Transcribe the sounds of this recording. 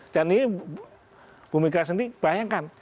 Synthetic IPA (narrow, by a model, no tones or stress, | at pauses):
d͡ʒani | b̥umikasəndib̥ajaŋkan